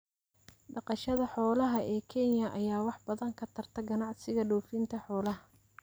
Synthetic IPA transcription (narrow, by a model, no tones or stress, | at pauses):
ɖɑqɑʃɐðɐħɔːlɐɦɐʔɛːkʰɛnjɐʔɐjaːwɑħbɐðɐŋkʰɐt̪ʰɐrt̪ʰɐɡɐnɑʕsɪɣɐɖɔːfint̪ʰɐħɔːlɐɦɐ